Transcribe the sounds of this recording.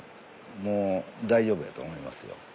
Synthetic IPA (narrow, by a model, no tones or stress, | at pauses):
moːd̪aiʑo̞ːbɯ̟d̪at̪o̰ːmoima̰sɨjo̰